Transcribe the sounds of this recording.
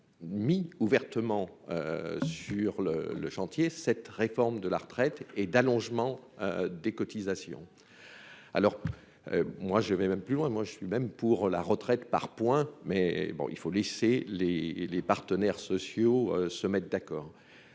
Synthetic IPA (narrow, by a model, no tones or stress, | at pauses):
miuvɛʁt̪əmɑ̃øsyʁlə̰lə̰ʃɑ̃t̪jesɛt̪ʁefɔʁmd̪əlaʁət̪χɛt̪ɛd̪alɔ̃ʒmɑ̃ø̰d̪ekɔt̪izasjɔ̰̃ | a̰lɔʁ | ø̰mwaʒəvɛmɛmplylwɛ̃mwaʒəsɥimɛmpuʁlaʁət̪χɛt̪pa̰ʁpwɛ̃mɛbɔ̰̃ḭlfoleselelepaʁt̪ənɛʁsɔsjoøsəmɛt̪̚d̪akɔːʁ